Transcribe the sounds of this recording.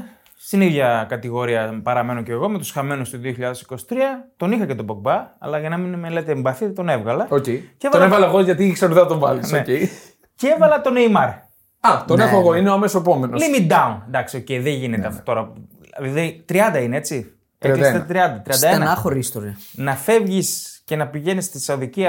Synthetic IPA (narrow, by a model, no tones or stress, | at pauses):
st̪iniðʝɐkɐt̪iɣo̞ɾiɐpɐɾɐme̞no̞ceɣo̞met̪usxɐme̞nust̪oðio̞çiʎɐðe̞si̥ko̞si̥t̪ɾiɐt̪o̞nixɐcet̪o̞boɡ̚bɐɐ̰lɐʝɐnɐminmelet̪eːmbɐθiðt̪o̞nevɣɐlɐocejceevɐonevɣɐlɐeɣoʝɐt̪iksɐɾoðeɐt̪oɱvɐ̰lissnoece | ceevɐlɐt̪o̞nejmɐɾ | ɐt̪onexoeɣoineoɐmesoepo̞menolimid̪ɐunnd̪ɐksio̞ce̞jiðeʝine̞t̪eɐ̥t̪o̞ɾɐ | lðiðet̪ɾiɐnd̪ɐinee̞t͡si | eɐisɐt̪ɾiɐnd̪ɐt̪ɾiɐnd̪ɐenɐnɐxoɾist̪oɾinɐfe̞vʝisce̞nɐpiʝe̞nist̪isɐoðiciɐ